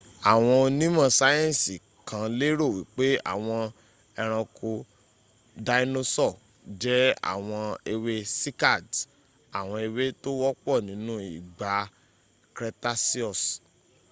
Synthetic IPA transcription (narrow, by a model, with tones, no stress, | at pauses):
a˨w̃ɔ̃˧o˧nĩ˦mã˦˨sa˦jɛ̃˦˨si˨ | kʰã˨˦le˦ɾo˦˨wi˨˦k͡pe˦a̰˦˨w̃ɔ̃˧ | ɛ˧ɾ̃ã˧kʰo˧ | da˧i˦no˦sɔ˦˨ | d͡ʒɛ˦a̰˦˨w̃ɔ̃˧e˧we˧si˦ka˦˨d | a˨w̃ɔ̃˧e˧we˦to˦wɔ˦k͡pɔ˦˨nĩ˨˦nũ˦i˦˨ɡ͡ba˨˦ | kɾɛ˧ta˦si˦ɔ˦˨s